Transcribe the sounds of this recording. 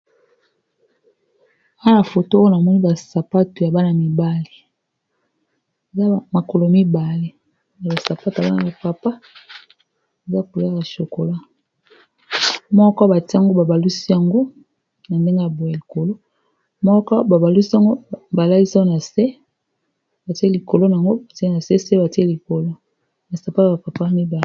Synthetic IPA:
a˦na˨fo˨to˦o˦na˨mɔ˦ni˦ba˨sa˨pa˦to˨ja˨ba˦na˨mi˨ba˦le˨ | e˨za˦˨ma˨ko˨lo˨mi˦ba˨le˦ | ja˨ba˨sa˨pa˦ta˨ba˦na˨ba˨pa˨pa˦ | e˨za˦ku˨la˦ka˨ʃo˨ko˨la˦ | mɔ˦kɔ˦ba˨ti˦a˨ŋɡo˦ba˨ba˨lu˦si˦ja˨ŋɡo˦ | na˨nde˦ŋɡe˦a˨bo˨ja˨li˨ko˨lo˦ | mɔ˦kɔ˦ba˨ba˨lu˦si˦a˦˨ŋɡo˦ba˨la˦li˦sa˦na˨se˦ | ba˨ti˦e˦li˨ko˨lo˦na˨ŋɡo˦ba˨ti˦na˨se˦se˦ba˨ti˦e˦li˨ko˨lo˦ | na˨sa˨pa˦tba˨pa˨pa˦mi˦ba˨l

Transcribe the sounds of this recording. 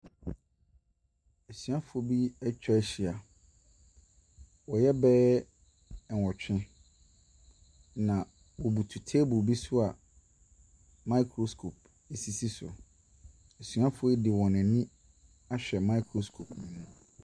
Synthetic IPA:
e˨sɥa˦fʊ˨o˨bi˦ɛ˦t͡ɕᶣɛ˦ɛ˦ɕi˨a˨ | wɔ˨jɛ˦bɛː˦ | ɛ˨ɔ˨t͡ɕᶣɪ̃˦ | nã˨ | wɔ˨bu˨tʰu˨tʰeː˦bʊ˨bi˦sʊ˦a˨ | ma˦ɪ˦kʰɾo˨skʰo˨p̚ | e˨si˨si˦sʊ̰˨ | e˨sɥa˦fʊ˦o˦e˦dɪ˨wɔ̃˨nɪ̃˨nɪ̃˦ | a˦ɕᶣɛ˨mã˦i˦kʰɾo˨skʰo˨pnĩ˨mũ˦˨

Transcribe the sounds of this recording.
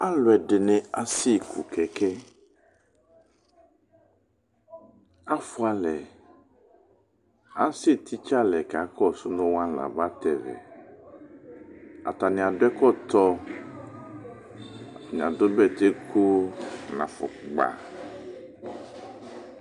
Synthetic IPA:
a˦lo˨ɛ˨ɖe˨nɛ̃˨a˦si˦kʰṵ˨kʰɛ˨kɛ˦ | a˦fu˦a˨lɛ˨ | a˦si˦t̪ʰi˦t͡ʃa˦lɛ˨ka˨kɔ˦su˦nõ˦wã˦˨la̰˨ba˦t̪ɛ˨vɛ̰˨ | a̰˨t̪a˨nĩ˨a˨do˦ɛ˦kɔ˦t̪ɔ˦ | a˨nĩ˨a̰˨do˦bɛ˦t̪e˦ko˦nã˨fɔ̰˨ɡ͡ba̰˨

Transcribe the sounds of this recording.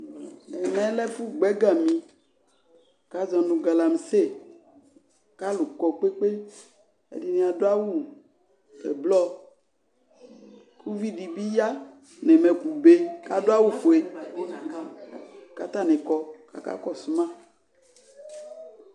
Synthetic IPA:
ne˨mɛ˨˦lɛ˦fu˦ɡ͡bɛ˦ɡa˨mĩ˨ | ka˨˦zɔ̃˨nũ˨ɡa˨la˨m˨se˦˨ | ka˦lu˨kɔ˨k͡pe˦k͡pe˦ | ḛ˦di˦nẽ˨a˨do˦a˦wu˦˨ | ḛ˨blɔ˦ | kʰu˦vi˦ɖi˨bi˦ja˦ | ne˨me˨ku˨be˨ka˨do˦a˦wu˦fo˨e˨ | ka˨t̪a˦˨nẽ˨kɔ˨ka̰˨ka̰˦kɔ˨su˨˦mã˦

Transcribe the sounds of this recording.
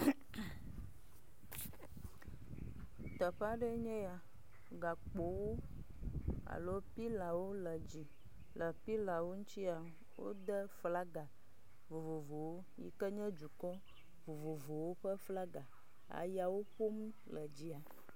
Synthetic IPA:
t̪ɔ˨ɸa˦ɖə˦ɲɛ̃˦ja˨ | ɡa˨k͡po˨wo˦ | a̰˨lo˦pi˦la˨wo˦lə˨d͡ʑi˨ | lə˨pi˦la˨wo˦ŋũ˦t̪i˦a˨ | wo̰˦d̪ə˦fla˦ɡa˨ | vo˨vo˨vo˨wo˦jḭ˦kə˦ɲɛ̃˦d͡ʒu˨kɔ˦ | vo˨vo˨vo˨wo˦ɸə˦fla˦ɡa˨ | a̰˨ja˨wo˦ɸo˦m | lə˨d͡ʑi˦a˨

